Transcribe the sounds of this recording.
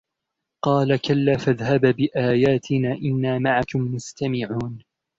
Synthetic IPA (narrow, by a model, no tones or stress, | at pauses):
qɑːlakalːaːfaðhabbɪʔaːjaːt̪ʰɪnaːʔɪnːaːmaʕakʊmmʊst̪amɪʕuːn